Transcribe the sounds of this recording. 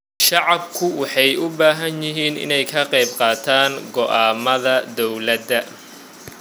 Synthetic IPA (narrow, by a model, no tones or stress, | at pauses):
ʃɑʕɑbkʰʊwɑħɑjʔʊbaːɦɐnjɪɦiːnɪ̰nɛjkʰɐqɛjbqɑːt̪ʰaːŋɡɔʔaːmɐðɐd̪ɔwlɐd̪ɐ